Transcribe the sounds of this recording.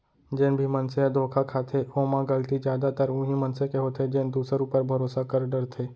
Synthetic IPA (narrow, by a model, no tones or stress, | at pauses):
d͡ʒeːnbʱimɐnsead̪ʱoːkʰakʰaːt̪ʰeoːmãɡəlt̪id͡ʒjaːd̪at̪əɾʊ̃ɦimɐnsekeɦoːt̪ʰed͡ʒeːnd̪uːsəɾupəɾbʱɐɾoːsakəɾɖəɾt̪ʰeː